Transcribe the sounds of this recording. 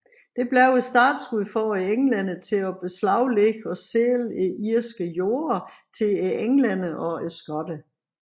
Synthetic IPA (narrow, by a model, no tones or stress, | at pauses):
d̥e̝b̥lɛʊesd̥ɑ̈ːd̥sʁuðˠfɒeeŋlænət͡sʰe̝ɒb̥eslɑ̈ʊ̰leɡ̥ɒ̽seleiɐsɡ̥əjo̝ːɐt͡sʰe̝eeŋlæn̰əʔɒ̽esɡ̥ɒd̥ə